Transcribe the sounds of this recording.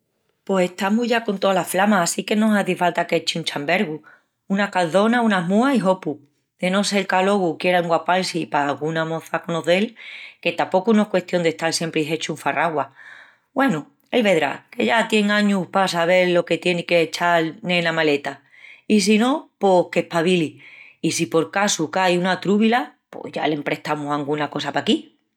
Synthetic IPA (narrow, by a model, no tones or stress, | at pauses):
po̞se̞ht̪amuʝako̞nt̪oalaflamaːsike̞nõ̞saðifalt̪aket͡ʃunt͡ʃambe̞ɾɣu | unakalθo̞naunamuaiɦo̞pu | d̪̥e̞no̞se̞lkalo̞ɣukje̞ɾauŋɡwapalsipaːlɣunamõ̞θakonoðe̞lke̞t̪apo̞kuno̞ekwe̞ht̪jo̞nd̪e̞ht̪alsje̞mpɾiɦe̞t͡ʃuɱfaraɣwa | bwenu | elβe̞ðɾa̰ke̞ʝat̪je̞ŋãɲuhpasaβ̞e̞ɾlo̞ke̞t̪je̞nikeːt͡ʃalnẽ̞namale̞t̪a | is̬ino̞pohke̞hpaβiliːsipo̞ɾkasukajunat̪ɾuβilapo̰hʝa̰lempɾe̞ht̪amusaŋɡunako̞sapaki